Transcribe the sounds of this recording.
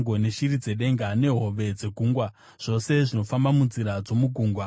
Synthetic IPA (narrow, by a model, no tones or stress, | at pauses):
ŋɡone̞ʃiɾid͡ze̞ɗe̞ŋɡane̞ɦo̞ʋe̞d͡ze̞ɡʱuːŋɡwa | ʐ̥o̞se̞ʐino̞fambamunziɾad͡zo̞muɡʱuːŋɡwa